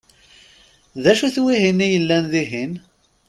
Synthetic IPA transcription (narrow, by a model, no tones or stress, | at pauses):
ðæʃuθwiɦinːijəlːænðiɦin